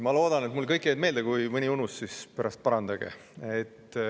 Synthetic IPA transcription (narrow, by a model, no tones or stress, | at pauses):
mɑlo̞ːd̪̥ɑne̞t̪mulkɤjkːˑjejd̪me̞ːld̪ekujmɯnʲiunusːsispeɾɑst̪̚pɑɾɑnd̪̥ɑɡ̥ḛ | et̪ː